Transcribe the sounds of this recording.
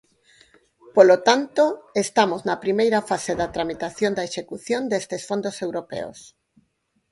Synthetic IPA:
polot̪ant̪oest̪amoznɐpɾimejɾɐfaseðɐt̪ɾamit̪aθjond̪ɐeʃekuθjond̪est̪esfond̪osewɾopḛo̰s

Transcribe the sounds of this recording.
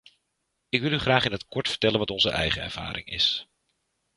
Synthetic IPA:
ɪkʋɪlˠyχraːχɪnətkɔɹtfə̥ɹtɛlənʋɑtɔnzəʔɛ̰jχəɛ̰ɹv̥a̰ːɾɪ̰ŋɪ̰s

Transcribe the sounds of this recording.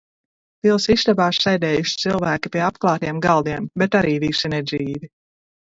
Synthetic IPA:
vilˠsist̪abaːʃsɛjd̪ɛːjuʃi̥t̪silˠvæːkipiɛapklˠɑːt̪ijɛmɡalˠd̪iɛmbɛt̪aɾiːviʃinɛd̪ziːvi

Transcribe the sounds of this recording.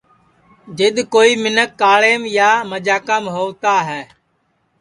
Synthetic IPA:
d͡ʒeɗ̪koːiːmɪnəkːaːɭeːmjaːməd͡ʒaːkəmɦoːt̪aːɦɛː

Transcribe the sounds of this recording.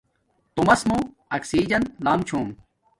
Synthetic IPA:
t̪umɐsmũ | ɐksiːd͡ʑɐnlaːmt͡ɕʰuːm

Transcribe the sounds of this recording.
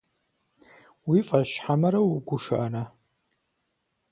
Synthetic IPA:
wifʼaʃħamɐɾɐwuɡʷʊʂa̰ʔːna

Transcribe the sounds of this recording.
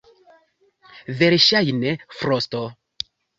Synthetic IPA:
veɾʃajnefɾosto

